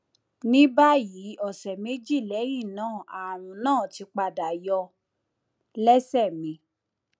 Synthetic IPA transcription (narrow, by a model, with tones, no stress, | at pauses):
nĩ˦ba˦ji˨˦ɔ˦˨sɛ˨me˨˦d͡ʒi˦˨lɛ˨˦j̃ĩ˦˨nãː˦˨a˨ɾ̃ũ˨nãː˦˨ti˧k͡pa˧da˨jɔ˧ | lɛ˦sɛ˦˨mĩ˨˧